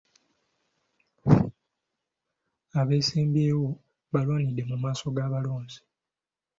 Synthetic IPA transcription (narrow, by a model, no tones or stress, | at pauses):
aβeːseːmbjeːwo̞ | βalwaːnidːe̞mumaːso̞ɡaβaloːnzi̥